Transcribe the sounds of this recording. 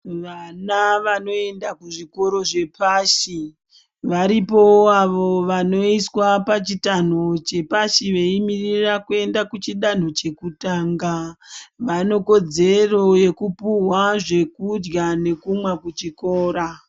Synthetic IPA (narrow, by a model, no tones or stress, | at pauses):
ʋanaʋano̞e̞ndakuʐiko̞ɾo̞ʐe̞paːʃi | ʋaɾipo̞aʋo̞ʋano̞iswapat͡ʃitan̤o̞t͡ʃe̞paʃiʋe̞imirirakue̞ndakut͡ʃiɗan̤o̞t͡ʃe̞kutaːŋɡaʋano̞ko̞d͡ze̞ro̞je̞kupuwaʐe̞kud͡ʒɡane̞kumwakut͡ʃikoːɾa